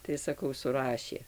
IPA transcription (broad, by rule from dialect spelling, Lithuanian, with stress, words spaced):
tɐɪ sɐˈkɐʊ sʊˈrɑːʃʲeː